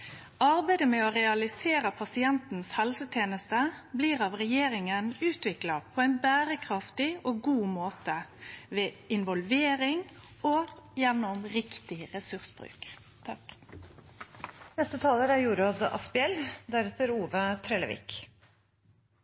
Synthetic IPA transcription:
ʔɑʁbæɪd̪əmɛoʁɛɑlɪseːɾəpʰɑsɪɛnt̪n̩shɛlsət̪ʰjeːnəst̪əbliːʁɑʋʁɛjeːɾɪŋənʉːt̪ʋɪklɑpʰɔɛɪnbæːɾəkʰʁɑft̪ɪoːɡuːmoːt̪əʋeːɪnʋɔlʋeːɾɪŋ | ojɛnʊmʁɪkt̪ɪʁɛsʉʁsb̥ʁʉ̰ːk | t̪ʰɑ | nɛst̪ət̪ʰɑːləɾæɾjuːɾoːd̪ɑ̰spɪɛld̪æɾɛt̪əɾuːʋət̪ʰɾɛːlə̰ʋɪ̰k

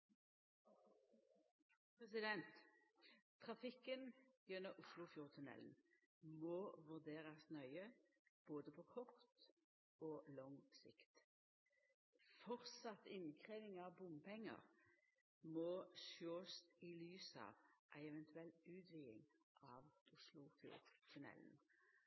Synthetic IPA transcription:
pʁɛsɪd̪ɛnt̪ʰː | ʁɑfɪkːənjɛnːəʊslʊfjʊʁt̪ʰʊnɛ̰ln̩ | mɔʋʉʁd̪eːɾɑsnœʏə | b̥oːd̪əpʰɔkʰɔʁt̪ | ɔːlɔŋsɪkt̪ | fɔʁt̪sɑt̪ːɪnkʰʁeːʋɪŋɑʋbʊmpʰɛŋːə̰ʁ | mɔʃoːst̪ilyːsɑ̰ːʋʔæɪɛʋɛnt̪ʉɛlt̪ʉːt̪ʋiːɪ̰ŋʔɑʋʊslʊfjṵːʁt̪ʰʉnɛ̰ln

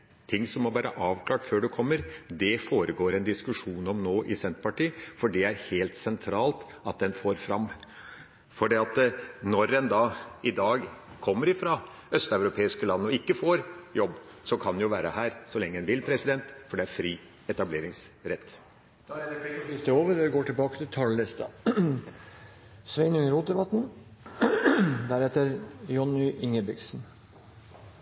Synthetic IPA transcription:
t̪ʰɪŋːsɔmːɔbɑːɾə̰ʔɑːʋkʰlɑːʈføːɖɛkʰɔmːəɾd̪ɛfoːɾəɡoːɾɛnd̪ɪskʉʂuːnɔmnoːʔɪsɛnt̪pɑʈiːfɔɖɛæɾheːlt̪sɛnt̪ʰɾɑːlt̪ | ɑt̪̚d̪ɛnfoːɾfɾɑmː | fɔɖɛːɑt̪nɔɾːɛnd̪ɑɪd̪ɑːɡ | kʰɔmːəɾɪfɾɑ | œst̪ɑʉɾʊpʰeːɪskəlɑnːɔɪkːəfoːɾjɔbːsɔkʰɑnjʊʋæːɾəhæːɾsɔlɛŋːəɛnʋɪlpʰɾɛsɪd̪ɛnt̪fɔɖɛæɾfɾiː | ɛt̪ɑbleːɾɪŋsɾɛt̪ː | d̪̥ɪst̪əoːʋəɾɛɛɡoːʈʰɪlbɑːkət̪ɪlt̪ʰɑlːɛst̪ɑ̰ | sʋɛɪnʉŋəɾuːt̪̚d̪ɛbɑt̪ːn̩ | d̪æɾɛt̪ːəɾjɔnʏʔɪŋəbɪɡsn

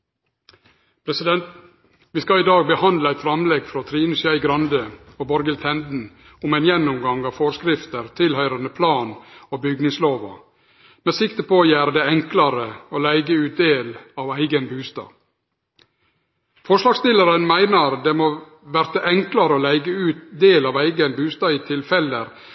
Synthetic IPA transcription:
pʰɾɛsɪd̪ɛnt̪ | ʋiːskɑɪd̪ɑːɡ̚bəhɑnd̪ləæɪt̪fɾɑmlɛɡfɾoːt̪ʰɾiːnʉsɪæɪɡɾɑnd̪əoːbɔɾɡəlt̪ʰɛnd̪n̩ | ʊmæɪnjɛnːʊmɡɑŋɑːʋfoːɾskɾɪft̪əɾt̪ʰɪlhœʏɾɑnəpʰlɑːnoːbʏɡnɪŋsloːʋɑ̰ | meːsɪkt̪əpʰojæːɾd̪ɛɛŋklɑɾəoːlæɪɡəʉːt̪̚d̪eːlɑːʋæɪɡənbʉːst̪ɑ̰ː | fɔʂlɑːɡst̪ɪləɾənmæɪnəɾd̪emoː | ʋæɾt̪əʔɛŋklɑɾəoːlæɪɡəʉːt̪d̪eːlɑːʋæɪɡənbʉːst̪ɑːiːt̪ʰɪlfɛləɾ

